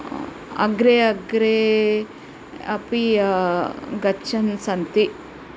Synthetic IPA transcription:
ɐ̰ɡɾeɐɡɾe | ɐ̰pi | ɡɐt͡ʃʰɐnsɐnt̪i

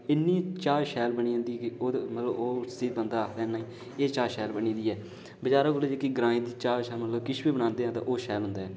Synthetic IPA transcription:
ɪnːiːt͡ʃaːɾʃɛːlbəɳiːãːnd̪iːɛkɪoːd̪mət̪ləboːsɪd̪̚bənd̪aːkʰd̪ɛːnaːiː | eːt͡ʃaːɾʃɛːlbəɳiːd̪iːɛː | bəd͡ʒaːɾãːkoːleːd͡ʒeːkiɡɾãːiːd̪iːt͡ʃaːɾʃɛːlmət̪ləbkɪʃbiːbəɽ̃ãːnd̪eːɦãːt̪ã̰ːʔoːʃɛːlɦʊ̃nd̪aːɦɛː

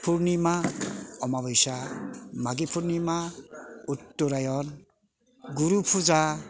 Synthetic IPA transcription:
pʰuɾnimaɔmaβɔjsamaɡipʰuɾnimautːuɾajɔn | ɡuɾupʰuza

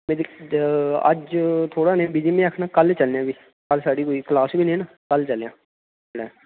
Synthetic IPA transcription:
mẽːd̪ | ə̰d͡ʒt̪ʰoːɽaːnẽbiːd͡ʒimẽəkʰnãːkəlt͡ʃəlãːbiː | kəlsaːɽiːkoːiːklaːsbʱiːnẽːnãːkəlt͡ʃəljã̰ː | ɽaː

